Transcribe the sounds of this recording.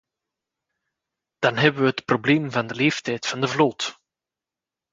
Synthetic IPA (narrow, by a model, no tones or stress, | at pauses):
d̥ɑnɦɛbəʋəɦətprobleːmvɑndəleːftɛjtfɑndəvlot